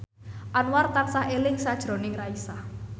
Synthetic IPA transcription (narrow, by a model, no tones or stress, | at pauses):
ʔanwart̪ansaɦelɪŋsad̥ʒ̥ɾo̤nɪŋraisah